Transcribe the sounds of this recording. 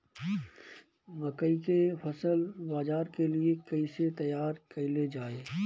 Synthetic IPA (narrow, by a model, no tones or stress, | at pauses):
ʋəkəikepʰəsəlbaːd͡ʒaːɾkeliekəiset̪ɐjaːɾkəiled͡ʒaːeː